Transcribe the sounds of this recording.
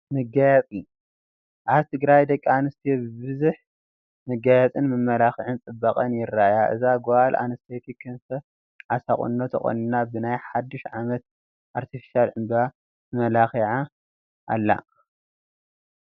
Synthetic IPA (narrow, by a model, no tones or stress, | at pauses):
mɨɡajat͡sʼi | ʔaβt̪ʰɨɡɾajd̪ɐkʼːianɨst̪ʰibɨbɨzuħ | mɨɡajat͡sʼɨnmɨmːɐlaxʕɨnt͡sʼɨbːɐkʼɐnjɪrːajaʔɨ̰zaɡoʔalʔa̰nɨst̪ʰet̪ʰikʰɨnt̪ʰɐ | ʕasaχʼṵnːot̪ʰɐxʼo̰nɨnabɨnajħad̪ːɨʃʕamɐt̪̚ | ʔaɾt̪ʰifi̥ʃalʕɨmba | ɨmɐlaxiʕa | ʔa̰lːa̰